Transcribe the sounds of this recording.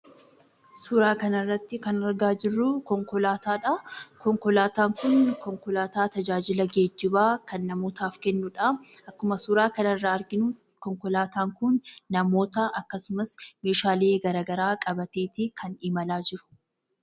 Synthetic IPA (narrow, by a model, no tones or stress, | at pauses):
suːɾaːkɐnɐrːɐt̪ːɪkɐnɐɾɡaːd͡ʒɪrːʊkɔŋkɔlaːt̪aːᶑakɔŋkɔlaːt̪aːŋkʊnkɔŋkɔlaːt̪aːt̪ɐd͡ʒaːd͡ʒɪlɐɡeːd͡ʒːɪbaːkɐnːɐmoːt̪aːfkɛnːʊᶑaʔɐkːʊmɐsuːɾaːkɐnɐrːɐɐɾɡɪnʊ | kɔŋkɔlaːt̪aːŋkʊnːɐmo̞ːt̪ɐʔɐkːɐsʊmɐsme̞ːʃaːle̞ːɡɐɾaːɡɐɾaːkʼɐbɐt̪eːt̪ɪkʰɐnɪmɐlaːd͡ʒɪɾʊ̥